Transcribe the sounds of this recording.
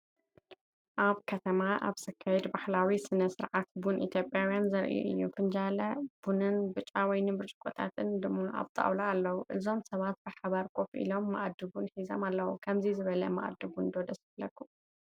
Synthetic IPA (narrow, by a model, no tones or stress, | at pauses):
ʔaβkʰɐt̪ʰɐmaʔa̰βsɐkʰːajɛd̪baħlawisɨnɐsɨɾʕat̪bunʔḭt̪ʰjo̞pʼjawjanzɐɾʔṵʔɨ̰jːufɨnd͡ʒalɐb̥unɨnbɨt͡ʃʼːawɔjnɨbɨɾt͡ʃʼɨ̥kʼot̪ʰa̰t̪ʰɨnd̪ɨmːaa̰βt̪ʼa̰wlaːlːɐwuʔɨzo̞msɐβat̪̚bɨħaβaɾkʼofʔḭlo̞mːɐ̰ʔd̪ːɨβunħizomalːɐwukʰɐmzizɨβɐlɐmɐ̰ʔd̪ɨβund̪od̪ɐsɨblːɐkːu